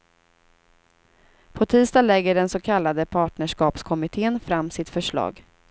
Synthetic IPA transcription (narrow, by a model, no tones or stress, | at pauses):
pʰɔt̪ʰiːst̪ɑːlɛɡːəɖɛnsɔkʰalːad̪əpʰɑːʈɳəʂkɑːpskʰɔmɪt̪ʰeːənfɾamːsɪt̪fœʂɭɑ̰ːɡ